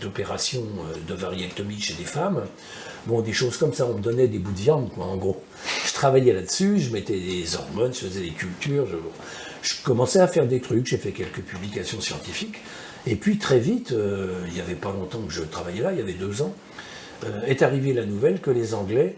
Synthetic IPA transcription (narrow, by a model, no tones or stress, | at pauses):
d̪̥ɔpeʁasjɔ̃ød̪əvaʁiat̪ɔmiʃed̪efam | bɔ̃d̪eʃoz̥kɔmsaɔ̃məd̪ɔnɛd̪ebud̪əvjɑ̃d̪kwaɑ̃ɡʁo | ʒ̥ə̥t̪χavajɛlad̪əsyʒəmɛt̪ɛd̪ezɔ̰ʁmɔnʒəfəzɛd̪ekʲylt̪yʁʒəbɔ̰̃ | ʒ̥əkɔmɑ̃sɛafɛʁd̪et̪χykʒefɛkʲɛlkəpyblikʲasjɔ̃sjɑ̰̃t̪ifik | epɥit̪χɛvit̪øiljavɛpalɔ̃t̪ɑ̃kəʒət̪χavajɛlailjavɛd̪øzɑ̃ | øɛt̪aʁivelanuvɛlkəlezɑ̃ɡlɛ